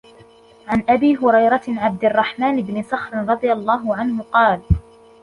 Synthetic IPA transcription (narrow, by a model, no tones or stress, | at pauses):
ʕanʔabiːɦʊɾɑjɾˤɑʕab̚d̪ɪrˤːɑħmaːnɪbnɪsˤɑxɾɪnɾˤɑd̪ˤɨjalˤːɑːɦʊʕanhʊqɑːl